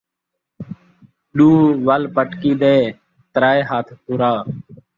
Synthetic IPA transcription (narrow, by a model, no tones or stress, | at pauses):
ɗuːʋəlpəʈkiːd̪eː | t̪ɾaːeːɦaːt̪ʰpuːɾaː